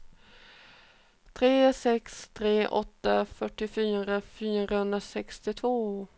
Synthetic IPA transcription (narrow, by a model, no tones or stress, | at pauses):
t̪ʰɾeːsɛkst̪ʰɾeːʔɔt̪ːafœʈːɪfyːɾafyːɾahɵnd̪ɾasɛkst̪ɪt̪ʰvoː